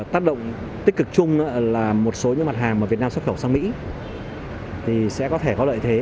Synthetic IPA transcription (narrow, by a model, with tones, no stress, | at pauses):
t̪aː˦˥k̚ɗə̰˧˨wŋ͡m | t̪ï˦˥k̟̚kɨ˨˩k̚t͡ɕʊ˧ŋ͡mʔaː˧˥laː˨˩mo˨˩t̚so˨˦ɲɨ̰˧˥ŋma˨˩t̚ɦaː˨˩ŋməː˨˩vi˨˩naː˧msw̚xʰwsaː˧ŋmḭ˧˥ | t̪ʰi˨˩sɛ̰˧˥kɔ˨˦t̪ʰe˧˩kɔ˨˦lə̰ː˧˨jt̪ʰe˨˦